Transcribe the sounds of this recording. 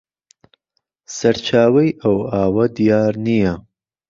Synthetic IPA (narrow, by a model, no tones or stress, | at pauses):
sɐɾt͡ʃʰaːwɐjawaːwɐd̪ijɑːɾnija